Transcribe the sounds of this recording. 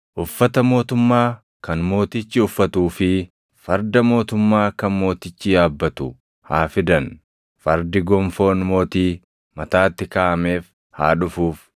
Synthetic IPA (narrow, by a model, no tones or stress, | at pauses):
ʔʊfːɐt̪ɐmo̞ːt̪ʊmːaː | kɐnmo̞ːt̪ɪt͡ʃːɪʊfːɐt̪uːfɪ | fɐɾd̪ɐmo̞ːt̪ʊmːaːkɐnmo̞ːt̪ɪt͡ʃːiːaːbːɐt̪ʊ̰ | haːfɪd̪ɐn | fɐɾd̪ɪɡɔmfo̞ːnmo̞ːt̪iː | mɐt̪aːt̪ːɪkaːʔɐme̞ːf | ha̰ːᶑʊfuːf